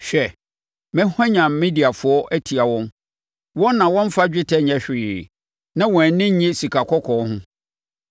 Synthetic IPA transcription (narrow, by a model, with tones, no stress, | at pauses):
ɕᶣɛ˨ | mɛ̃˦hɛ̃˦ɲã˨m˨mĩ˦di˨a˨fʊ˦ɔ˦ʔæ˦tʰi˨a˨wɔ̃˦n | wɔ̃˦nː˦ã˨wɔ̃˦m̩˦fa˦d͡ʑᶣɪ˦tʰɛ˦ɲɛ̃˦ɕᶣɪː˨ | nã˦wɔ̃˨nɪ̃˦ɲ˦ɲĩ˦si˨kʰa˨kʰɔ˦kʰɔ˨˦hʊ̃˦